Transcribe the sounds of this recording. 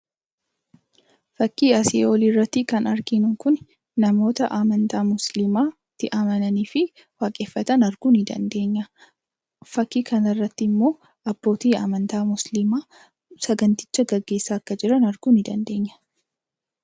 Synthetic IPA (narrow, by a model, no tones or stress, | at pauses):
fɐkːiːɐsɪoliːrːɐt̪ːɪkɐnɐɾɡɪnʊkʊn | nɐmo̞ːt̪ɐʔaːmɐnt̪aːmʊslɪmaː | t̪ːɪʔɐmɐnɐniːfɪ | waːkʼe̞ːfːɐt̪ɐnɐɾɡ̥uːnɪd̪ɐ̰nd̪e̞ːɲːɐ | fɐkːiːkɐnɐrːɐt̪ːɪːmːo̞ː | ɐb̥ːo̞ːt̪iːa̰ːmɐnt̪aːmʊslɪmaː | sɐɡɐnt̪ɪ̥t͡ʃːɐɡɐɡːe̞ːsːaːkːɐd͡ʒɪɾɐnɐɾɡuːnɪd̪ɐ̰nd̪e̞ːɲːɐ̥